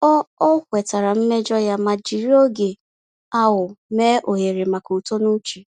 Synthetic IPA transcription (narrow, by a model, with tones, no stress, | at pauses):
ɔ˦kʷɛ˨ta˨ɾa˨m̩˦me˦d͡ʒɔ˦ja˦ma˨d͡ʒi˨ɾi˦o˦ɡe˨ | a˦wʊ˨meː˦ʔo˨ɦe˨ɾe˨ma˨ku˨to˦nu˦t͡ʃi˨